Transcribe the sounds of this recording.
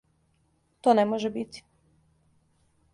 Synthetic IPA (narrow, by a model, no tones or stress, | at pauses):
t̪onemoʒebit̪i̥